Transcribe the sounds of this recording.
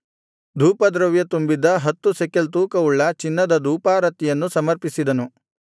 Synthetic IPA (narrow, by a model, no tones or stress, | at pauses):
d̪ʱuːpɐd̪ɾɐʋjɐt̪umbid̪ɐɦɐt̪ːusekelt̪uːkɐuɭːɐt͡ʃinːɐd̪ɐd̪ʱuːpaːɾɐt̪ːijɐnːusɐmɐɾpisid̪ɐnu